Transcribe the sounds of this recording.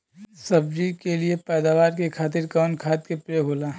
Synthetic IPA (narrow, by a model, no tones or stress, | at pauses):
sɐbd͡ʒikeliepɛːd̪aːʋaːɾkekʰaːt̪ɪɾkaːnkʰaːt̪̚kepɾeɦoːlaː